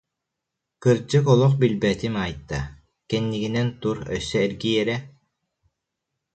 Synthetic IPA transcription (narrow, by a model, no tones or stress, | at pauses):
kɯɾd͡ʑɯkɔlˠɔχbilbɛt̪imaːjt̪ːa | kɛnːiɡinɛnt̪uɾœ̰sːœɛɾɡijɛɾɛ